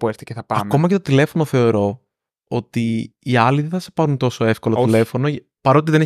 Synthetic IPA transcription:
puest̪i̥ceθɐpɐɐmko̞mɐce̞t̪ot̪ile̞fo̞no̞θe̞o̞ɾo̞ | ot̪iːɐliðenθɐse̥pɐɾunt̪o̞so̞e̞fkoloile̞fo̞no | pɐɾoːt̪iðene

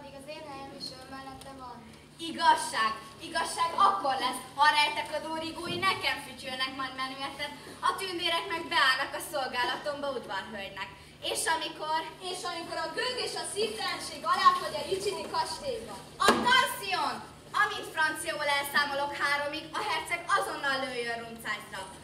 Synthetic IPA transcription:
meːɡɒzeːd̪ɛmiʃømɛlːɛt̪ːɛvɒn | iɡɒʃːaːɡ | iɡɒʃːaːɡɒkːo̞rlɛshɒɾɛjt̪ɛkɒd̪oːniɡuːjinɛkɛɱfycønɛkmɒjd̪mɛnyɛt̪ɛt̪ | ɒt̪ynd̪eːɾɛkmɛɡ̚bɛaːlnɒkɒso̞lɡaːlɒt̪o̞mbɒud̪vɒrɦøldnɛk | eːʃɒmikoreːʃɒmiko̞ɾɒɡøɡeːʃɒsiːft̪ɛlɛnʃeːɡɒlaːt̪hoɟɛit͡ʃit̪ikɒʃt̪eːbɛ | ɒfɒnsion | ɒmit̪frɒnt̪sijɒbolɛlsaːmolo̞khaːɾo̞miɡɒɦɛrt̪sɛkɒzo̞nːɒlːøːjːønrunt̪saːst̪ɒk

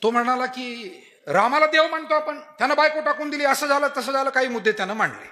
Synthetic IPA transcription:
t̪om̤əɽ̃alakiː | ɾamalad̪eʋm̤əɳt̪oapəɳt̪janabajkoʈakuːnd̪iliːəsəːd͡zaləːt̪əsəd͡zaləːkaɦiːmud̪ʱːet̪janam̤əɳlḛ

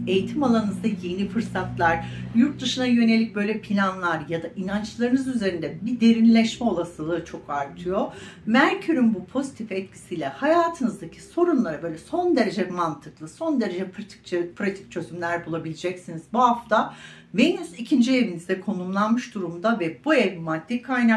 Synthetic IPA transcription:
e̞jit̪ʰimalˠanɯzd̪ajje̞nifɯɾsat̪lˠaɾ̥juɾt̪̚d̪ɯʃɯnajø̞ne̞lʲic̚bø̞jlʲɛpʰilʲanlˠaɾjad̪aʔinant͡ʃlˠaɾɯnɯzyze̞ɾind̪ɛbid̪e̞ɾinlʲɛʃmɛo̞lˠasɯlˠɯt͡ʃʰo̞kaɾt̪ʰɯjo̞mæɾcʰyɾynbupʰo̞zit̪ʰifɛt̪̚cʰi̥sijlʲɛhajaːt̪ʰɯnɯzd̪acʰi̥so̞ɾunlˠaɾabø̞ːlʲɛso̞nd̪e̞ɾe̞d͡ʒɛmant̪ʰɯklˠɯso̞nd̪e̞ɾe̞d͡ʒɛpʰɾt̪ʰi̥pʰɾat̪ʰi̥c̚t͡ʃʰøzymlʲæɾbulˠabilʲid͡ʒɛcsinizbuhɦaft̪ʰa | beinizicʰind͡ʒievinizd̪ɛkʰo̞numlˠanmɯʃd̪uɾumd̪avɛbuɛvimad̪̥ːikʰajna

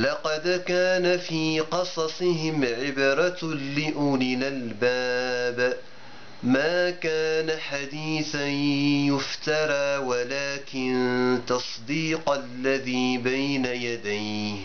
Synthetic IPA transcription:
lɑqɑd̪kaːnafiːqɑsˤɑsˤɪɦɪmʕɪbɾˤɑlɪʔʊnɪlalbaːb | maːkaːnaħad̪iːθanjʊft̪ɑɾˤɑːwalaːkɪnt̪ɑsˤd̪iːqalːaðiːbajnajad̪ajh

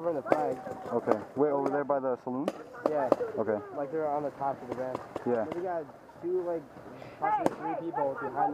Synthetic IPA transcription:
və˞ɪ̃nðəflæɡoʊkʰeɪweɪoʊvə˞ðə˞baɪðəsəlũnjæoʊkʰeɪlaɪk̚ðə˞ə̃nðətʰɑpʌvðɨɹæ̃nt͡ʃjæðɨɡɑ | d̥ɨlaɪk̚ | pʰɑsəbliθɹipipl̩ˠbɨɦãɪ̃n

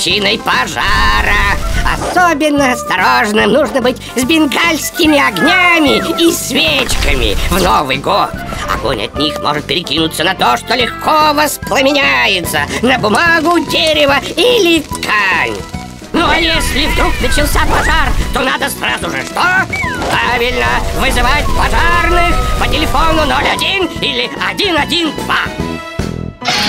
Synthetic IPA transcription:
t͡ɕinəjpɐʐaɾəɐ̰sobʲɪnːəɐst̪ɐɾoʐnɨmnuʐnəbɨtʲzʲbʲɪnɡalʲsʲkʲɪmʲɪɐɡnʲamʲɪisʲvʲet͡ɕkəmʲɪ̰vnovɨjɡot̪ɐ̰ɡo̰nʲɐ̰t̪ʲnʲixmʔo̰ʐɨt̪̚pʲɪɾʲɪkʲinʊt̪sːənɐt̪oʂt̪olʲɪxkʰovəsplˠɐmʲɪnʲæjɪt̪sənəbʊmaɡʊdʲeɾʲɪvəilʲɪt̪kʰanʲ | nuajesʲlʲɪvd̪ɾuknət͡ɕɪlˠsʲapɐzart̪onad̪əsrazʊʐɨʂt̪opɾavʲɪlʲnəvɨzɨvat̚ʲpɐʐarnɨxpətʲɪlʲɪfonʊnolʲɐdʲinilʲɪɐdʲinɐdʲind̪va̰

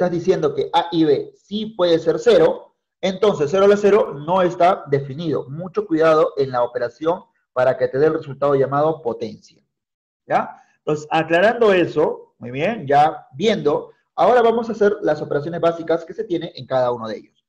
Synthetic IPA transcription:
t̪azðisje̞nd̪o̞ke̞ʔaʔiβe̞sipwe̞ð̞e̞se̞ɾse̞ɾo̞ | ent̪o̞ns̬es̬ːe̞ɾoalase̞ɾo̞no̞e̞st̪aðefiniðo̞̰mut͡ʃo̞kwiðað̞o̞ʔe̞nlaope̞ɾasjo̞m | paɾake̞t̪e̞ð̞e̞ːlre̞sult̪að̞oʝamað̞o̞po̞t̪e̞nsja | ja | nt̪onsesaklaɾand̪o̞e̞so̞mujβje̞nɟ͡ʝabje̞nd̪o̞ | ao̞ɾaβamo̞sase̞ɾlaso̞pe̞ɾas̬jo̞ne̞zβasikaske̞se̞t̪je̞ne̞ʔeŋkað̞auno̞ð̞eejos

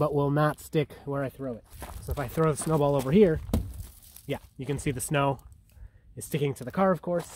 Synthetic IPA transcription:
b̥ʌʔ̚wɪlˠnətstɪkwə˞aɪθɹoʊɪt̚soʊəfaɪθɹoʊðəsnoʊbɔlˠoʊvə˞hiɹ | jæjɨkɨ̃nsiðɨsnoʊ | ɨtstɪkɪ̃ŋtʰɨðɨkʰɑɹʌv̥kʰɔɹs

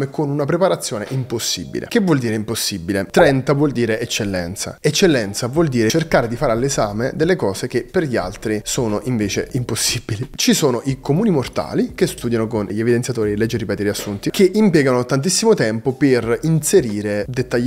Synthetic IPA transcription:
mekonunapɾepaɾat̪sːjoːneʔimposːḭbḭlḛkevwɔld̪iːɾeimposːibilet̪ɾɛnt̪avwɔld̪iːɾeet͡ʃːelːɛ̰nt̪sa̰et͡ʃːelːɛnt̪savwɔld̪iːɾet͡ʃerkaːɾed̪ifaːɾealːezaːmed̪elːekɔːsek̟epːerʎia̰lt̪ɾisoːnoʔiɱveːt͡ʃḛimposːibilit͡ʃisoːnoʔikomuːnimort̪a̰ːlikest̪uːd̪janokonʎievid̪ensjat̪oːɾielːɛd͡ʒːiripɛːt̪eɾeasːunt̪ikeʔimpjɛːɡanot̪ant̪isːimot̪ɛmpoperinseɾiːɾed̪et̪ːaʎː

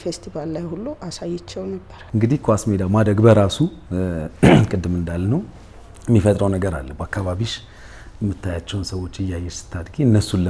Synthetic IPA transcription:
fest̪ʰivalːajhulːuʔasajɛt͡ʃːɛwnəbːəɾɨŋɡɨd̪ihkʰwasmed̪amad̪ɾəɡbəɾasu | kʼɨd̪ːɨmɨnd̪alːnəw | jmːifət̪ʼɾəwnəɡəɾa̰lːəbakːaβaβiʃ | jɛmːɨt̪ʰːajat͡ʃːɛwnsəwo̞t͡ʃːɪjːajːɛsɨ̥t̪ʰːad̪ɡeɨnːəsulə

